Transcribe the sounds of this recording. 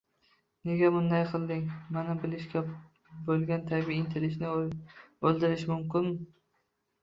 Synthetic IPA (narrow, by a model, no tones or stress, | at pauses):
ne̞ɡʲabʊnd̪ajqʰɨlˠd̪ɪŋmanabɪlɪʃkʲa | bolˠɡʲant̪ʰabiɪnt̪ʰelɪʃnɪ | olˠd̪ɪɾɪʃmʊmkʲɪn